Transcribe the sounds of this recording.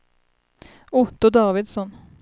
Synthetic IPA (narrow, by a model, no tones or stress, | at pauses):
ʊt̪ɔd̪ɑːʋɪd̪sɔn